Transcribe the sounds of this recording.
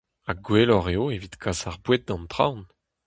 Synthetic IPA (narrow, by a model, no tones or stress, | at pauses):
aɡwelɔʁeoevit̪kʰasaʁbwet̪̚d̪ɑ̃nt̪χa̰wn